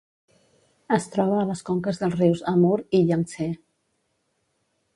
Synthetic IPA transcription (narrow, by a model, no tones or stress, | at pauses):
əst̪ɾɔβəːləskɔŋkəzðəlˠzriwzəmuɾiʎəŋse